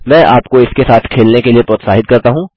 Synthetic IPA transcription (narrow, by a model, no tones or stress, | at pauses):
mɛ̃ːʔaːpkoɪskesaːt̪ʰkʰeːlnekeliepɾɔːt̪saːɦɪt̪̚kɐɾt̪aɦũː